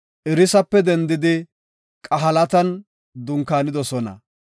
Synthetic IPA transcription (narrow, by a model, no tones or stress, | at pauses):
ʔɪɾɪsɐpːɛd̪ɛnd̪ɪd̪ɪ | kʼɐɦɐlɐt̪ɐn | d̪ʊŋkaːnɪd̪ɔsɔnɐ̰